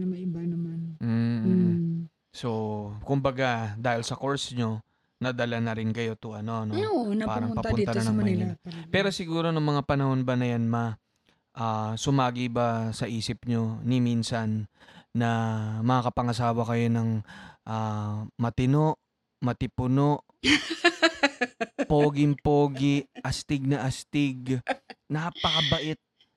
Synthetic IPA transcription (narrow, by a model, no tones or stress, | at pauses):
ɐmɐɪbanɐmanm̩ | so̞kʊmbɐɡad̪aːhɪlsɐko̞ɹsɲo̞ | nɐd̪ɐlanɐɾɪnkɐjo̞t̪ʊʔɐno̞nonpaːɾɐŋpɐp̪ʊnɐɐnɐŋmmɐɲapɛːɾo̞sɪɡuːɾo̞nʊŋmɐŋapɐnɐho̞nbɐnɐjanma | ʔaːsʊmaːɡibasɐʔiːsɪp̚ɲo̞nɪminsɐnːɐmɐakɐpɐŋɐsaːwɐkɐjo̞nɐŋʔaːmɐt̪ɪno̞ʔ | mɐt̪ɪpʊno̞ʔ | poːɡɪŋpoːɡɪʔɐst̪ɪɡ̚nɐʔɐst̪ɪɡnapɐkɐbɐʔɪt̪̚